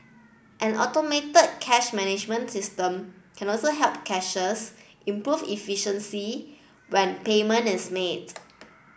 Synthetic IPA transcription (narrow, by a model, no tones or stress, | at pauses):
ʔɛ̃nɔ̰tometəd̚kʰɛʃmɛnɪd͡ʒmə̃nsistə̃mkʰɛ̃nɔlsoɦɛlp̚kʰɛʃəsʔĩmpɹuvḭfiʃə̃nsi | wɛ̃npemə̃ntɪsmet